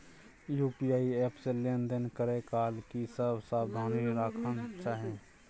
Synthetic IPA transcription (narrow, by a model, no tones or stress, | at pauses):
juːpijaːieːpseleːnd̪ənkəɾekaːlkisəbsaːbd̪ʱaːniɾaːkʰənt͡ʃaːɦẽː